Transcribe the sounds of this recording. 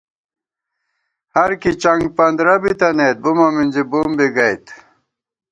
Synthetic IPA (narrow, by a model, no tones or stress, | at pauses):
hɐɾkit͡ɕɐŋɡ̚pɐnd̪ɾɐbit̪ɐneːt̪̚bumɐminʲd͡ʑibumbiɡɐjt̪